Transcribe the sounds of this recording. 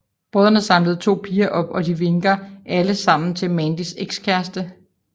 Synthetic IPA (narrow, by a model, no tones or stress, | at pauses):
b̥ʁɔð̰ˠɐnəsɑ̈mləð̩ˠt͡sʰo̝̰ːpʰiːɐʔɒ̽b̥ɒ̽d̥iʋe̝ŋɡ̥ɐʔæləsɑ̈m̰n̩t͡sʰe̝lmɛnd̥iseɡ̥skʰæɐsd̥ə